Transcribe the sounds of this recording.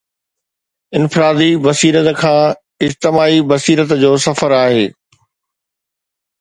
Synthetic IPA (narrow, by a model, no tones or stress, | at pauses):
ɪnfɪɾaːd̪ibɐsiːɾət̪kʰãː | ɪd͡ʑt̪ɪmaːibɐsiːɾət̪d͡ʑoːsɐfəɾaːɦeː